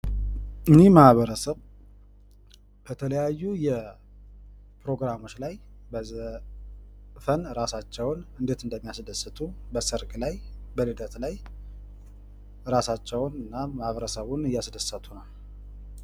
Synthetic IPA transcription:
ɨnehmahβəɾəsəβ | b̥ət̪ʰələjajːujɛ | pɾo̞ɡɾamo̞t͡ʃːlaj | bəzə | fənɾasat͡ʃːɛwʊnɨnd̪et̪ɨnd̪əmːijasd̪əsɨt̪ʰubəsɨɾkʼlajbəlɨd̪ət̪laj | ɾasat͡ʃːɛwnɨnːamahβəɾəsəβunɨjasd̪əsːət̪ʰunəw

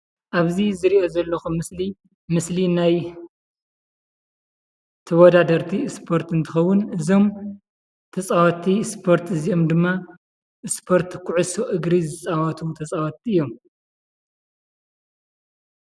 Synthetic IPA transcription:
ʔaβzizɨɾiʔo̞zɐlːɐxumɨsli | mɨslinaj | t̪ʰɐwɐd̪ad̪ɐɾt̪ʰispʰo̞ɾt̪ɨnt̪ʰɨxɐwːʊnɨzo̞m | t̪ʰɐt͡sʼawɐt̪ʰːispʰo̞ɾt̪ɨziomd̪ɨmːa | ʔɨspʰo̞ɾt̪kʰʊʕusoʔɨɡɾizɨt͡sʼawɐt̪ʰut̪ʰɐsʼawɐt̪ʰːiɨjːo̞m

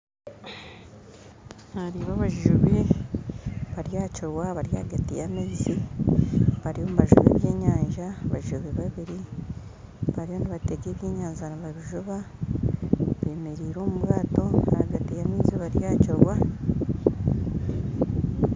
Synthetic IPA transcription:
haɾiβaβaʒuʒuβe | βaɾjaːcoɾwaβaɾja̰ɡatijamiːzi | βaɾijomuβaʒṵβḛːβje̞ːɲaːɲʒaβaʒuʒuβeβaβiɾi | βaɾiβo̞niβateɡe̞ːβjeːɲaːɲʒaniβaβiʒuβa | βe̞ːmeɾiːɾo̞ːmuβɣaːto̞ahaɡatijamiːziβaɾjaːcoɾwa

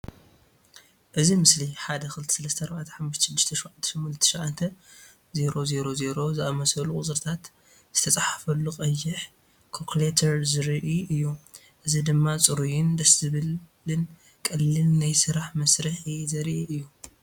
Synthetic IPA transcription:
ʔɨzimɨsliħad̪ɐkɨlɨt̪ʰi̥sɐlɐst̪ʰɐɐɾbaʕat̪ʰɐ̥ħamːʊʃt̪ʰɐʃɨd̪ːɨʃt̪ʰɐʃʕant̪ʰːɐ̥ʃɐmkɨlɨt̪ʰːi̥ʃʕant̪ʰɐ | ze̞ɾo̞ze̞ɾo̞ze̞ɾo̞zɨʔamɐsɐlukʼut͡sʼɨɾt̪ʰat̪ | z̥ɨt̪ʰɐt͡sʼaħḁfɐlːuqʼɐjːɪħ | kʰokʰlet̪ʰɐɾzɨɾʔiʔɨjːu | ʔɨzid̪ɨmːat͡sʼɨɾujɪnd̪ɐsɨβɨlː | ɨn | kʼɐlːɨlnajsɨɾaħmɐsɾɨħizɐɾʔiɨjːu

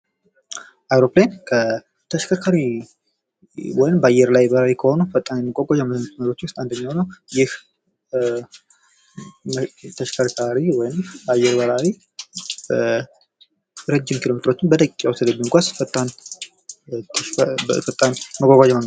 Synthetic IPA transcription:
ʔajɾoplajankʰə | t̪ʰəʃkʰakʰaɾi | wɔjɪmbəajːɛɾlajbəɾawikʰəho̞nufət̪ʼːanjɛmːikʷʼaɡʷʼad͡ʒaməsnːət̪məɾo̞t͡ʃːwʊst̪ʼand̪əɲːawnəwjɪh | t̪ʰəʃkʰaɾkʰaɾiwɔjɪmbajːɛɾbəɾawi | bə | ɾed͡ʒːɪmkʰilo̞met̪ʼɾo̞t͡ʃːɪnbət̪ʼəkʼikʼːawst̪ʰɛd̪əbuŋkʷʰasfət̪ʼːan | t̪ʰfət̪ʼːanməɡʷʼaɡʷad͡ʒməŋɡ

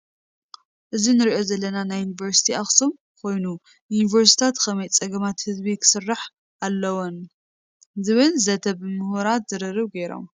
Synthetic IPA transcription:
ʔɨzinɨɾiʔo̞zɐlːɐnanajːunivɐɾsi̥t̪ʰiaxsum | kʰo̞jnu | junivɐɾs̬t̪i̥t̪ʰat̪kʰɐmɐjt͡sʼɐɡɐmat̪hɨzbikʰɨ̥sɨrːaħ | ʔalːɐwon | zɨβɨnzɐt̪ʰɐbɨmɨhuɾat̪zɨɾɨrɨβɡejɾo̞̰m

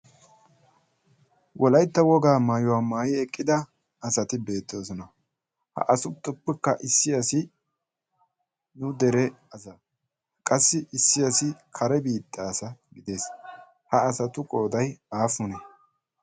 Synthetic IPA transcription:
wʔɔlɐjt̪ːɐwɔɡaːmaːjʊwaːmaːjɪɛkʼːɪd̪ɐ | ɐsɐt̪ɪbe̞ːt̪ːo̞ːsɔnɐ | hɐ̰ʔɐsʊt̪ʼːʊpːɛkːɐʔɪsːɪɐsɪ | nʊd̪ɛɾɛɐsɐ | kʼɐsːɪʔɪsːɪɐsɪkʰɐɾɛbiːt̪ʼːaːsɐɡɪd̪e̞ːs | hɐːsɐt̪ʊkʼo̞ːd̪ɐjaːfʊnɛ

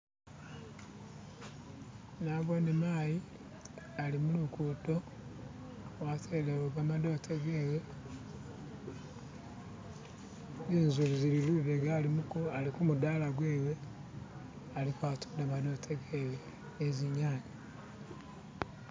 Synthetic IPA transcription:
naβwonimaːji | alimulukudo | watʰeleβoβamadotʰeɡeːwe | iːnzuβizililiβeɡaːlimukualikumudalaɡweːwe | alikwatu̥daβanotʰekeweː | ziɲaːɲi

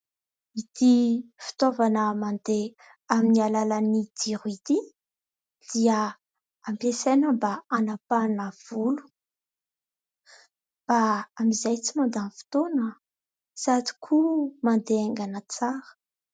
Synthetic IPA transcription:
id̪ifi̥t̪ovanəmand̪e | aminialalanid̪̥iɾuid̪i | d̪̥ia | ampesenəmbaanapanəv̥ulu̥ | b̥aːmizajt͡simand̪anfi̥t̪onə | sad̪i̥kʰumand̪eeŋɡanət͡saɾə̥

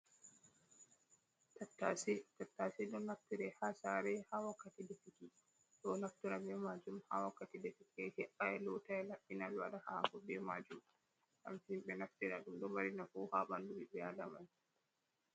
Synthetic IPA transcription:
tatːasɛtatːasɛɗɔnaftiɾɛhasaɾɛhawakːatidɛfiki | ɗɔnaftuɾabɛmad͡ʒumha̰wakːatidefikɛhɛʔaɛlɔtaɛlaɓːinalwa̰ɗahaːkɔbɛma̰d͡ʒum | ʔa̰mtinɓɛnaftiɾa̰ɗumɗɔwaɾinafɔhaːɓandumibɛalaman

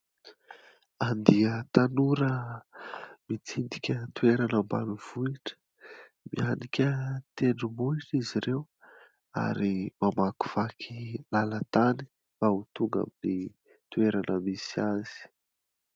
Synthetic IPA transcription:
and̪iət̪anuɾə | mit͡sind̪ikʲət̪ueɾanəmba̰nuv̥uiʈ͡ʂə̥ | mḭanikʲət̪eɳumuiʈ͡ʂiziɾew | a̰ɾimamaku̥v̥akʰilalət̪ani̥ | maut̪uŋɡa̰mini | t̪ueɾanəmisiazi̥

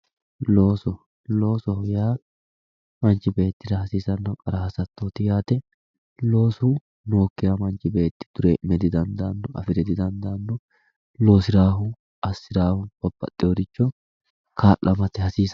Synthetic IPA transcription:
lo̞ːsɔ | lo̞ːsɔhʊjaː | mɐnt͡ʃːɪbe̞ːt̪ːɪd̪ɐhɐsiːsɐnːɐkʼɐɾɐhɐsɐt̪ːot̪ɪjaːt̪ɛ | lo̞ːsʊ | no̞ːkːɪjamɐnt͡ʃːɪbe̞ːt̪ːɪ̥d̪̥ʊɾɛmɛd̪ɪd̪ɐnd̪anːɔʔɐ̰fɪɾɛd̪ɪd̪ɐnd̪anːɔ | lo̞ːsɪɾaːɦʊ | ɐsːɪdaːhʊb̥ɐbːɐ̰t̪ʼːɪjɔːd̪ɪt͡ʃːɔ | kʰaːʔːɐmɐt̪ɛhɐsiːs

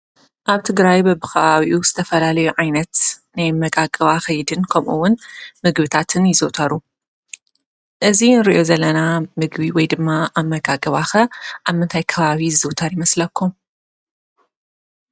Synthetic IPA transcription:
ʔaβt̪ʰɨɡɾajbɐbɨkʰɐβaβiʔuz̥ɨt̪ʰɐfɐlalɐjuʕajnɐt̪najmɐɡaɡɐβaxɐjd̪ɨnkʰɐmʔuwːʊnmɨɡbɨt̪ʰat̪ʰɨnjɪzɨwt̪ʰɐɾu | ʔɨzinɨɾiʔjo̞zɐlːɐnamɨɡbiwɔjd̪ɨmːaʔaβmɐɡaɡɐβaxɐʔaβmːɨnt̪ʰajkʰɐβaβiɨzɨwt̪ʰɐɾjɪmɐslɐkʰːum

